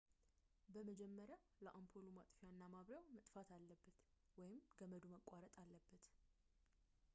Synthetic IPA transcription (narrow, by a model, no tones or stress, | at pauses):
bəməd͡ʒɛmːəɾja | ləʔampʰolumat̪ʼfijanːamaβɾjawmət̪ʼfat̪ʰalːəbːət̪ | wɔjɪmɡəməd̪uməkʼaɾət̪ʼalːəbːət̪